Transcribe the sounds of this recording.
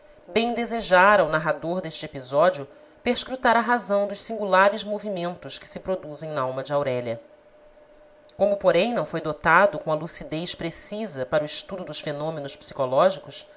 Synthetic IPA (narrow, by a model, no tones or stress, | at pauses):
bẽj̃d̪ezeʒaɾɐʊnaɦad̪oɾd̪eʃt͡ʃɪepizɔd͡ʒiʊ | peɾʃkɾut̪aɾɐɦazɐ̃w̃d̪ʊʃsĩŋɡulaɾɪzmovimẽnt̪ʊʃkɪ̥sɪpɾod̪uzẽj̃nɐawmɐd͡ʒɪawɾɛʎɐ | kõmʊpoɾẽj̃nɐ̃w̃fojd̪ot̪ad̪ʊkõw̃ɐlusid̪ejʃpɾesizɐpaɾʊiʃt̪ud̪ʊd̪ʊʃfenõmenʊʃpsi̥kolɔʒikʊs